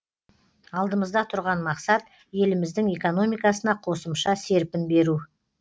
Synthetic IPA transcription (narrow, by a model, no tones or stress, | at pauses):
ɑlˠd̪əməzd̪ɑt̪ʰʊɾʁɑnmɑqsɑt̪ | je̞lɪmɪzd̪ɪŋe̞ko̞no̞mijkɑsənɑqʰo̞səmʃɑse̞ɾpɪnbe̞ɾu